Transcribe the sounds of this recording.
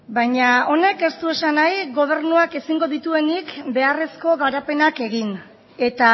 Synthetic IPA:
bajɲao̞ne̞ke̞st̪ue̞sanajɣo̞β̞e̞ɾnuake̞siŋɡo̞ðit̪ue̞nikbe̞are̞sko̞ɣaɾape̞nake̞ɣin | e̞t̪a

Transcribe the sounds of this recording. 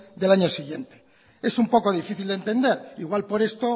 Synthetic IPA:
d̪elaɲosiɣje̞nt̪e̥ | esumpo̞ko̞ð̞ifiθild̪e̞nt̪e̞nd̪e̞ɾiɣwalpo̞ɾe̞st̪o

